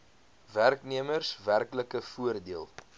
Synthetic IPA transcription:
værkniəmərsværkləkəfuərdiəlˠ

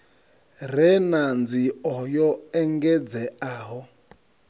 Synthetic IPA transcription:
rɛnand͡ziɔjɔɛŋɡɛd͡zɛaːɦɔ

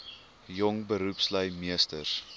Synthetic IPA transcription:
jɔŋbəɾupsləjmiəstərs

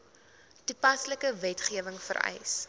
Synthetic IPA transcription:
tupɐsləkəvɛtχiəvəŋfə̰rɛ̰js

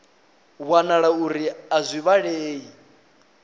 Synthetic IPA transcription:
βwanaɺauɾiazʷiβaɺɛeːi

